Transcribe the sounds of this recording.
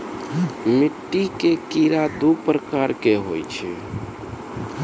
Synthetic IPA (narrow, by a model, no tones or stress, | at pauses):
miʈːikekiɾad̪upɾəkaɾkeɦojt͡ʃʰɛ̰